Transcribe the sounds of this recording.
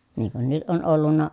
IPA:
niŋ kun nyt ʔon ʔolːunːɑ

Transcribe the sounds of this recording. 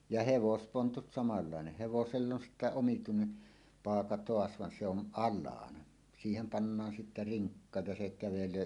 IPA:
jɑ heʋospontut sɑmɑlːɑˑeneh̆ heʋoselː on sitːæ omituinen pɑːkɑ toɑs ʋɑn se on ʔɑlːɑːnɑ siːhem pɑnːɑːn sitːæ riŋkːɑ jɑ se kæʋeløː

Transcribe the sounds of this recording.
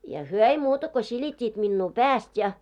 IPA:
jɑ hyø ei muːtɑ ko silʲitʲːiːt minːuː pæːst jɑ

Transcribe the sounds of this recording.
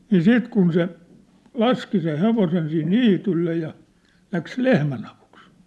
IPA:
niː siːt kun se lɑski seh̆ heʋosen sih niːtylːe jɑ læks lehmæn ɑʋuks

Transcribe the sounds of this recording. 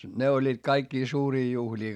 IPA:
ne olʲːiːt kɑikːiː suːriː juhlʲiː

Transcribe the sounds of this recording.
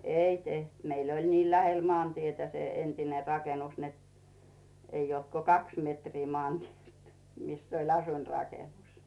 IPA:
ei teht meil olʲ niː læhel moɑˑntietæ se entine rɑkenus net ei olt ko kɑks metriː mŏɑˑntʲielt mis olʲ ɑsuinrɑkenus

